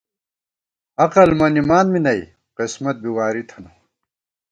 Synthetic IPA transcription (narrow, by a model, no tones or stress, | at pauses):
ɐqɐlmɐnimaːnminɐj | qismɐt̪̚biwaːɾit̪ʰɐnu